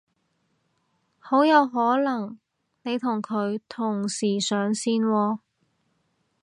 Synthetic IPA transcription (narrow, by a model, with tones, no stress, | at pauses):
ho˨˥wjɐ˨˧wɦɔː˨˥lɐ˨˩ŋ | ne˨˧jt̪ʰʊ˨˩ŋkʰɵ˨˧ɥt̪ʰʊ˨˩ŋsiː˨˩sœː˨˧ŋsiː˥nwɔː˧